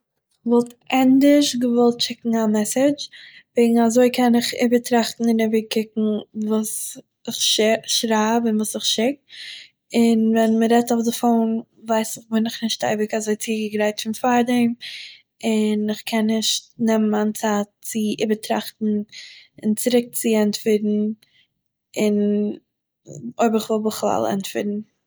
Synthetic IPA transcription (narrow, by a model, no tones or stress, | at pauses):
ɪvɔlˠtʔɛndɪʃɡəvɔlˠtʃɪkŋ̩amɛsɪd͡ʒvɛɪɡŋ̩azoɪkʰɛnɪχɪ̰bəɾtɾaχtn̩ɪnɪbəɾkɪkŋ̩vuːs | ɪχʃʃɾaːbɪnvuːsɪχʃɪk̚ | ɪnvɛnməɾɛtaʊfdəfoːn | vaɪsɪχbɪnɪχnɪʃta̰ɪbɪkazoɪt͡siːɡəɡɾaɪtfɪnfaɾdɛɪm | ɪnɪχkʰɛnːɪʃtnɛmmant͡saːtt͡sɪɪbətɾa̰χtn̩ɪnt͡sɪɾɪk̚t͡sɪɛntfɪɾn̩ | ɪn | oɪbəɾɪχvɔlˠbəχlˠa̰lˠɛ̰ntfɪɾn̩